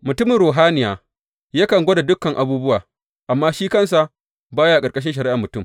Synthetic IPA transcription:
mʊ˨tʊ˦mɪ˨nɾoː˨ɦaː˦nɪ˨jaː˨ | jaː˦kɐ˨ŋɡʷo˦da˨dʊ˦kːɐ˨ŋʔa˨buː˦bʊ˦waː˨ | ʔa˨mːaː˦ʃiː˦kɐ˦ns̬a˨ʔ | baː˦ja˦a˨kʼɐ˨kʼɐ˦ʃ̬ɪ˦nʃɐ˨ɾɪ˦ʔa˨mʊ˨tʊ˦˨m

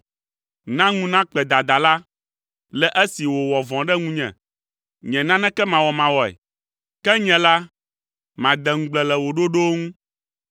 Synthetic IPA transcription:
nã˦ŋũ˦nã˦k͡pɛ˨d̪a˨d̪a˨la˦ | lɛ˨ʔɛ˦si˨wo˨wɔ˨vɔ̃˨ɖɛ˦ŋũ˦ɲɛ̰̃˨ | ɲɛ̃˨nã˦nɛ̃˦kɛ˦mã˨wɔ˨mã˨wɔ˨ɛ̰˨ | kɛ˦ɲɛ̃˨la˦ | mã˨d̪ɛ˨ŋ̩˨˦ɡ͡blɛ˨lɛ˨wo˨ɖo˦ɖo˦ŋũ˦

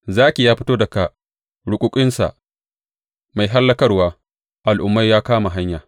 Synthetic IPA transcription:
zaː˦kʲe˨jaː˦ɸɪ˦toː˦dɐ˨ka˨ | ɽʊ˦kʷʼʊ˦kʲʷʼɪ˦nsa̰˨ʔ | ma˨jɦa˦lːɐ˦kɐ˦rwaː˦ | ʔa˨lʔʊ˨mːa˦jːaː˦kaː˦ma˨ɦa˦ɲjaː˨

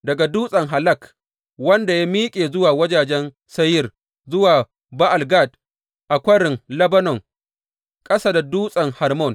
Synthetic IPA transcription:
dɐ˨ɡa˨duː˦sʼɐ˨ŋɦa˨lɐ˦˨k | wɐ˦nda˨ja˦miː˦kʲʼeː˨zʊ˦waː˨wɐ˦d͡ʒaː˨d͡ʒɛ˦n | sɐ˦jɪ˦˨r | zʊ˦waː˨ | ba˦ʔa˨lɡa˦˨d | ʔa˨kʷɐ˦ɾɪ˨ŋlɐ˦bɐ˦nɔ˨ŋ | kʼɐ˦sa˦da˨duː˦sʼɐ˨ŋha˨rmɔ˦˨n

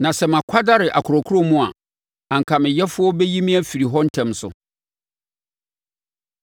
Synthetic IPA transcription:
nã˨sɛ˨mã˨kʷʰa˦da˦ɾɪ˨ʔa̰˨kʰʊ˨ɾɔ˨kʰu˦ɾo˦mũ˦a̰˨ | ã˨ŋ̩˨kʰa˨mɪ̃˨jɛ˦fʊ˦ɔ˦bɛ˦ji˦mĩ˦æ˦fi˨ɾi˨ɦɔ˦n̩˦tʰɛ̃˦msʊ̰˨

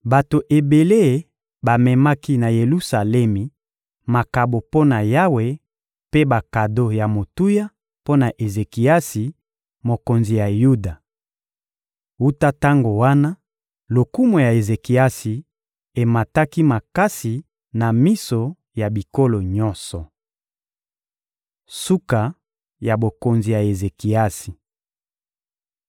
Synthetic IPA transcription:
ba˨to˨ʔe˨be˨le˦˨˦ | ba˨mɛ˨ma˦ki˦na˨je˨lu˦sa˨lɛ˦mi˨ | ma˨ka˨bo˨po˦na˨ja˦we˨ | pe˦ba˨ka˨do˦ja˨mo˨tu˦ja˦ | po˦na˨ʔe˨ze˨ki˨a˦si˨ | mo˨ko˨nzi˨ja˨ju˦da˨ | u˦ta˦ta˦ŋɡo˨wa˦na˦ | lo˨ku˦mo˨ja˨e˨ze˨ki˨a˦si˨ | e˨ma˨ta˦ki˦ma˨ka˦si˨ | na˨mi˦so˨ | ja˨bi˨ko˦lo˨ɲɔ˦nsɔ˨ | su˦ka˨ | ja˨bo˨ko˨nzi˨ja˨e˨ze˨ki˨a˦si˨

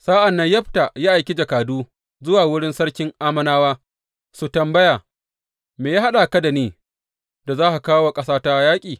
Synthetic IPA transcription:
saː˦ʔa˨nːɐ˦ɲjɐ˦ɸta˨jaː˦ʔa˨jkʲe˦d͡ʒɐ˨kaː˨duː˦ | zʊ˦waː˨wʊ˦ɽɪ˦nsɐ˦ɽkʲɪ˦ŋʔaː˦mɐ˦naː˦waː˦ | su˨tɐ˨mbɐ˦jaː˨ | meː˨jaː˦ha˦ɗa˨ka˦da˨neː˨ | da˨zaː˦ha˨kaː˦wa˨kʼɐ˦saː˦ta˦jaː˦kʲʼiː˨

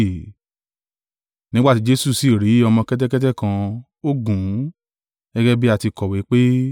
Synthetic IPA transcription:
nĩ˦ɡ͡ba˦ti˨˦d͡ʒe˦su˦˨si˨ɾi˨˦ɔ˧mɔ̃˧kɛ˦t̬ɛ˦kɛ˦t̬ɛ˦kã˧ | o˦ɡũ˨˦ | ɛ˦ɡɛ˦bi˦a˦˨ti˧kɔ˨wi˨˦k͡pe˦

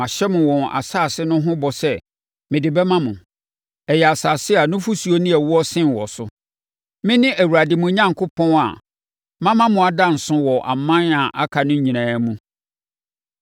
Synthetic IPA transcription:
ã˨ɕɛ˦mʊ̃˨wɔ̃˨n˨a̰˨saː˦˨sɪ˦nʊ̃˦ɦʊ̃˦bɔ˨sɛ˦ | mɪ̃˨dɪ˨bɛ˦mã˦mʊ̃˨ | ɛ˨jɛ˨a˨saː˨sɪ˦a˨nʊ̃˦fu˦su˨o˦nĩ˦ɛ˨wɔ˦ɔ˦sɪ̃˦n˨wɔ˨sʊ˦ | mɪ̃˦nɪ̃˦ʔæ˨wu˨ɾa˨dɪ˨mʊ̃˨˦ɲã˦ŋkʰʊ˦pʰɔ̃˦na̰˨ | mã˦mã˦mʊ̃˨a˨dã˦n̩˨sʊ̃˦wɔ˨ʔa̰˨mã˦na˨ʔa˦kʰa˨nʊ̃˦ɲĩ˨nã˨˦mũ˦

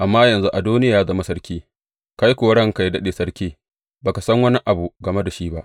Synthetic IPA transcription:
ʔa˨mːaː˦jɐ˨nzu˦ʔa˨duː˦nɪ˦jaː˨ja˦zɐ˦ma˨sɐ˦rkʲiː˦ | ka˦ji˦kʷoː˨ɽɐ˦ŋka˨jdɐ˦ɗeː˨sɐ˦ɽkʲiː˦ | baː˨ka˨sɐ˦ŋwɐ˦ni˦ʔa˨bu˨ɡɐ˨me˦da˨ʃiː˦ba˦ʔ

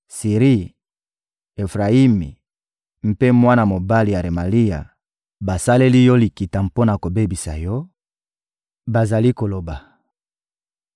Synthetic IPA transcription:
si˨ʁi˦ | e˨fʁa˨i˦mḭ˨ | m̩˦pe˦mwa˦na˨mo˨ba˦li˨ja˨ʁe˨ma˨li˦ja̰˨ | ba˨sa˦le˦li˦jɔ˦li˨ki˨ta˨mpo˦na˨ko˨be˦bi˨sa˨jɔ˦ | ba˨za˨li˦ko˨lo˨ba˨

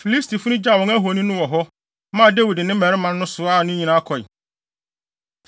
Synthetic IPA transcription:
fi˨li˦stʰi˨fʊ˦ʊ̃˦d͡ʑa˦˨wɔ̃˨ŋæ˦ɦo˨˦nĩ˦nʊ̃˦wɔ˨ɦɔ˦ | mã˦˨de˦wi˨dɪ˨nɪ̃˦mɛ˨ɾɪ˦mã˦n˦nʊ̃˦sʊ˨a˦˨nʊ̃˦ɲĩ˨nã˦kʰɔ˨ɪ˨

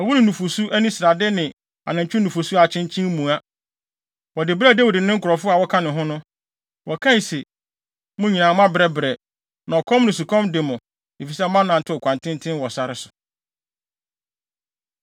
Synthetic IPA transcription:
ɔ˨wu˦nɪ̃˨nũ˨fo˨su˦æ˦nĩ˦sɾa˨dɪ˦nɪ̃˨ | a̰˨nã˨ɲ˨t͡ɕᶣʰʊ˦nũ˨fo˨su˦a˨t͡ɕʰɪ̃˦nt͡ɕʰɪ̃˦mũ˨a˦ | wɔ˨dɪ˨bɾa˦dɛ˦wɔ˨dɪ˨nɪ̃˦ŋ̩˦kʰʊ˨ɾɔ˨fʊ˦a˨wɔ˦kʰã˦nɪ̃˨ɦʊ̃˦nʊ̃˦ | wɔ˨kʰã˦i˨sɛ˨ | mʊ̃˦ɲĩ˨nã˨˦mã˦bɾɛ˦bɾɛ˨ | nã˨ɔ˨kʰɔ̃˦mnʊ̃˨s̬u˨kʰɔ̃˦mdɪ˨mʊ̃˨ | e˨fi˨sɛ˦mã˦nã˨n̩˨tʰɪ˦ɔ˨kʷʰã˨ntʰɪ̃˦ntʰɪ̃˦nwɔ˨sa˨ɾɪ˦sʊ̥˨

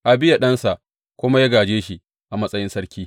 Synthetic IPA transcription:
ʔa˨bɪ˦ja˨ɗɐ˦nsa˨ʔ | kʷʊ˦ma˦ja˦ɡaː˨d͡ʒeː˦ʃi˨ | ʔa˨mɐ˦sʼɐ˦jɪ˦nsɐ˦ɾkʲiː˦

